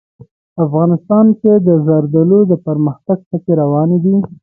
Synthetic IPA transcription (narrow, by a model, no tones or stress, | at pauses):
afɣɑnɪst̪ɑnked̪əzaɾd̪alod̪əpəɾməxt̪aɡ̚pəkeɾawɑned̪i